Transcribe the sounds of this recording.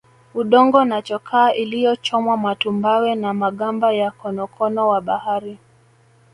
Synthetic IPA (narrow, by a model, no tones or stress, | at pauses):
uɗɔŋɡɔnat͡ʃɔkʰaːʔilijɔt͡ʃɔmwamatumbawɛnamaɠambajakɔnɔkʰɔnɔwaɓahaɾi